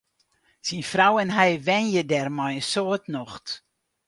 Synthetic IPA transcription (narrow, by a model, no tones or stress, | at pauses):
sinfrawɛnɦɛjʋɛnjədɛrmɔjəsoːətnɔxt